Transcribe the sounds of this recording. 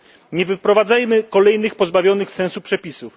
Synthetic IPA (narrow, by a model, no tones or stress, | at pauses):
ɲɛvɘpɾɔvad̪zajmɘkɔlɛjnɘxpɔzbavʲjɔnɘxsɛ̃ñsupʂɛpʲisuf